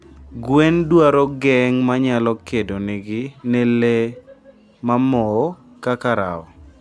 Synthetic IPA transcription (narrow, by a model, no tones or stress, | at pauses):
ɡwendwaɾɔɡɛŋmaɲalɔkedoneɡɪnɛle | mamɔ | kakaɾa̰ɔ̰